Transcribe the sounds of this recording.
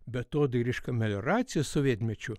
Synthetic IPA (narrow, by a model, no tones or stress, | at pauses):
bʲɛt̪oːd̪ɨɾʲiʃkɐmʲɛlʲoɾɑt̪sʲɪjɛsɔʋʲeːt̪ʲmʲɛt͡ʃʲʊ